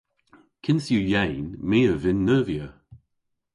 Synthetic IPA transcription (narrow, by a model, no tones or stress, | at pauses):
kʰɪnsjujɛjnmiːəvɪnːəːviə